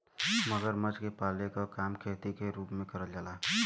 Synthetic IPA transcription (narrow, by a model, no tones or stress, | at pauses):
məɡəɾmət͡ʃkepaːlekokaːmkʰeːt̪ikeɾuːpmẽkəɾəld͡ʒaːlaː